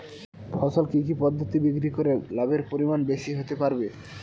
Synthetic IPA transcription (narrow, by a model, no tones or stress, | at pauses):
fʰɔʃolkik̬ipɔd̪ʱːot̪ibiɡɾikoɾelabeɾpoɾimanbeʃiɦot̪epaɾbe